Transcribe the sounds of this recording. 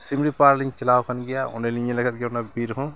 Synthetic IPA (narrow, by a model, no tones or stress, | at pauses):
simɾipaɾliŋt͡ʃɐlawkʰənɡɛjaṵnaliɲelɐɡət̪̚ɡɛjaunabiɾɦɔ̃